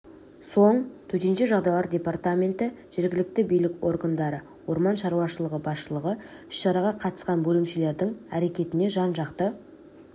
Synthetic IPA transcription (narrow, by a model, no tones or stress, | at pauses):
so̞ɴt̪ʰɵt̪e̞nʃeʒɑʁd̪ɑjlˠɑɾdʲe̞part̪amʲe̞nt̪ɪ | ʒ̥e̞ɾɡʲɪlɪk̚t̪ɪbijlɪko̞̰rɡand̪ɑɾə | wo̞ɾmɑnʃɑɾuwɑʃəlˠəʁəbɑsʃəlˠəʁəɪʃʃɑɾɑʁɑqʰɑt̪ə̥sqɑnbɵlɪmʃele̞ɾd̪ɪŋæɾe̞kʲe̞t̪ɪne̞ʒɑnʒɑqt̪ə